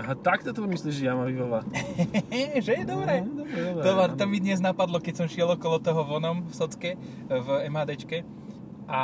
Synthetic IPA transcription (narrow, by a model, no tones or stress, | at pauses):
ɦat̪ak̚t̪ɔt̪ɔɔmisliʒɛjamaʋiʋɔla | ʒɛd̪ɔbɾɛd̪ɔɾɛd̪ɔbɾɛɔbɾat̪ɔmid̪ɲɛznapad̪lɔkɛcsɔmʃɪɛlˠɔkɔlɔt̪ɔɦɔʋɔnɔmfsɔt͡skɛ | vɛmɦaːd̪ɛt͡ʃkɛ | ʔa